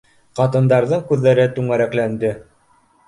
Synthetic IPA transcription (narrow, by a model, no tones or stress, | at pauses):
qɑt̪ɤ̆nd̪ɑɾðɤɴkʉðːæɾɘt̪ʉŋæɾæklænd̪ɘ